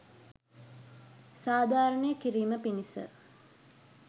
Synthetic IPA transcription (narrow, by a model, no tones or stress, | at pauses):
saːd̪ʱaːɾəɳəjəkiɾiːməpinisə̰